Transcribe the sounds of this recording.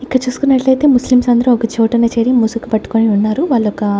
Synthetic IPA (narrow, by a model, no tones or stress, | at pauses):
ikːɐɐt͡ʃuːsu̥kunːɐʈlɐjt̪e̞ːmuslimsɐnd̪ɐɾuɔkɐt͡ʃoːʈɐneːt͡ʃeːɽimusukupɐʈːu̥koːniunːaːɾuʋaːɭːɔkɐ